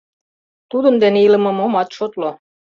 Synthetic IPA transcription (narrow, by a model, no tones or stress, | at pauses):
t̪ud̪ə̆nd̪eneilə̆mɤ̆momɑt̪ʃot̪lo